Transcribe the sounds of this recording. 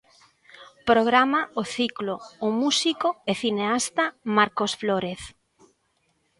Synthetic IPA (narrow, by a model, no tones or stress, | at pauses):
pɾoɣ̞ɾamaoθikloːmusikoeθineast̪amaɾkosfloɾeθ